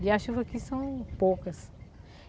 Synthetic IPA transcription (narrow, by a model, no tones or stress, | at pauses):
iaʃuvɐkisɐ̃w̃pokɐs